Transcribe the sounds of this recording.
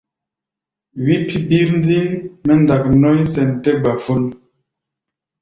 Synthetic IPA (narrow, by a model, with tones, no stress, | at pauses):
wi˦pʰi˦bi˦ɾn˦di˦ŋmɛ˦nda˨k̚nɔ˦jsɛ˨ntɛ˦ba˨fu˦n